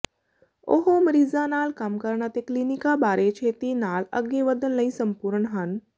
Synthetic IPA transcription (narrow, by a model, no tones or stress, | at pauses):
o̰ɦoməɾiːzaːnaːlkaːmkəɾɳat̪eklinikabaːɾeːt͡ʃʰeːt̪inaːlɐ̰ɡeːʋəd̪ʱənlɐĩsəmpuːɾəɳɦɐn